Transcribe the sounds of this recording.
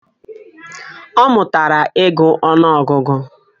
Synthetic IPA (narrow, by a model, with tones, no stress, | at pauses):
ɔ˦mʊ˨ta˨ɾa˨ʔe˦ɡʊ˦ʔɔ˦nɔ˦ɔ˨ɡʊ˦ɡʊ˦